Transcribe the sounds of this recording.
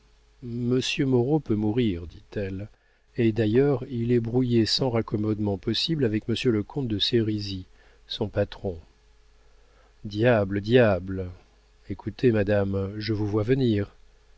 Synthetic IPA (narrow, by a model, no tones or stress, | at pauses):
məsjømɔʁopømuʁiʁd̪it̪ɛl | ed̪ajœʁilɛbʁujesɑ̃ʁakɔmɔd̪mɑ̃pɔsiblavɛkməsjøləkɔ̃t̪̚d̪əseʁizi | sɔ̃pat̪χɔ̃ | d̪jabld̪jabl | ekut̪emad̪amʒəvuvwavəniʁ